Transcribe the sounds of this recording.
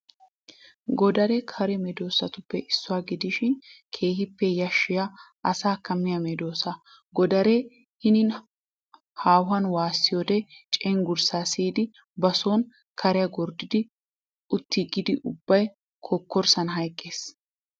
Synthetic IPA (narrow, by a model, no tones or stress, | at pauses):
ɡɔd̪ɐɾɛkʰɐɾɛmɛd̪o̞ːsɐt̪ʊpːɛʔɪsːʊwaːɡɪd̪ɪʃɪnkʰeːhɪpːɛjɐʃːɪjaʔɐsaːkːɐmːɪjɐmɛd̪o̞ːsɐ | ɡɔd̪ɐɾɛ | hɪnɪn | haːwɐnwaːsːɪjod̪ɛt͡ʃʼɛŋɡʊɾsaːsiːd̪ɪ | bɐsoːn | kʰɐɾɛjɐɡɔɾd̪ɪd̪ɪ | ʊt̪ːiɡɪd̪ɪʔʊbːɐj | kʰɔkːɔɾsɐnɦɐjkʼːe̞ːs